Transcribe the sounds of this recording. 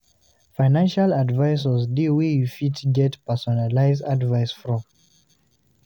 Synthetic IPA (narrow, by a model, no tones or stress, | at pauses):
faɪnãnʃaladvaɪsɔzdiwejufitɡɛtpɛsɔnalaɪzadvaɪsfɹɔ̃m